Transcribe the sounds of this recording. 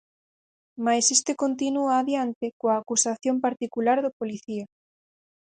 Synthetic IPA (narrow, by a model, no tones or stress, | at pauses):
majsest̪ekont̪inuaːðjant̪ekoaːkusaθjompaɾt̪ikulaɾðopoliθia